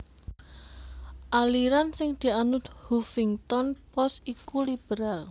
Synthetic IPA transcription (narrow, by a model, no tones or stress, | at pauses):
ʔaliɾansɪŋd̪̥i̤anʊt̪̚hufɪŋt̪ɔnpɔsikulib̥əɾal